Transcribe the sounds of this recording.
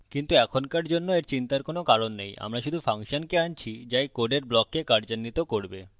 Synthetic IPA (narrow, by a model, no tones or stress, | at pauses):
kint̪uɛkʰonkaɾd͡ʑonːoeɾt͡ɕint̪aɾkonokaɾonːeja̰mɾaʃud̪ʱufaŋʃonkeant͡ɕʰid͡ʑajkoɖeɾblɔkːekaɾd͡ʑanːit̪okoɾbe